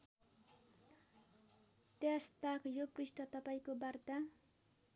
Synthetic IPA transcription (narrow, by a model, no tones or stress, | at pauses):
t̪jast̪akjoprisʈʌt̪ʌpaĩkobart̪a